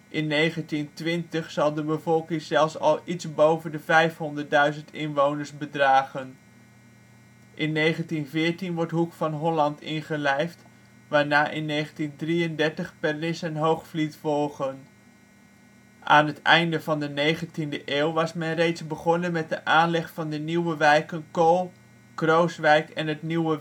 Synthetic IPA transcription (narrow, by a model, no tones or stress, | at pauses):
ʔɪnːejχəntintʋɪntəχsɑlˠdəbəvɔlˠkɪŋzɛlˠfsɑ̰lˠitzbowvəndəvɛjfɦɔndəɹt̚dœɥzəntɪnʋownəɹsbədraːχən | ʔɪnːejχəntinvɪːɹtinʋɔɹtɦukfɑnɦɔlɑntɪnχəlɛjft | ʋaːɹnaːʔɪnːejχəntindriəndɛɹtəχpɛrnɪsənɦowχflitfɔlˠχən | ʔaːnɦətɛ̰jndəvɑndənejχəntindəʔeːwˠʋɑsmɛnrejtzbəχɔnənmɛt̚dəʔaːnlɛχfɑndəniwəʋɛjkənkolˠ | krowsʋɛjkɛnɦətniwə